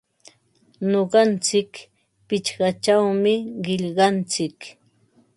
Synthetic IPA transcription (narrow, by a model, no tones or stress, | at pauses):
noɢɑnt͡sɪk | pɪt͡ʃɢɑt͡ʃawmɪɢɪʎɢɑnt͡sɪk